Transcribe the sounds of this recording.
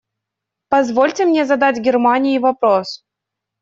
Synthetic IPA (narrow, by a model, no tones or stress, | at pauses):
pɐzvolʲtʲɪmnʲezɐd̪adʲɡʲɪrmanʲɪjivɐpɾos